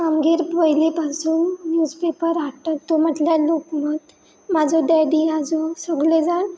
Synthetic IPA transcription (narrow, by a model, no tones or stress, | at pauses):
kamɡiɾpʋəjlipasuːnnjud͡zpepəɾaʈət̪om̤əʈljalokmɔt̪ | mad͡zɔd̪ɛɽiad͡zɔsəɡled͡zaɽ